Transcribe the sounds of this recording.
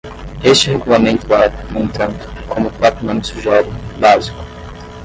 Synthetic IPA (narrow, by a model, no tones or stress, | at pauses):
est͡ʃɪheɡulamẽnt̪ʊvamõnt̪ɾɐ̃nd̪ʊ̥kʰõmʊkwat̪ɾʊmɐ̃mʊsuʒɛɾʊbazikʊ̥